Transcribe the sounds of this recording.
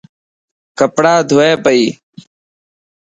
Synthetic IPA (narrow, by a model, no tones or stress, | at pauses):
kəpɽaːd̪ʱʊeːpəiː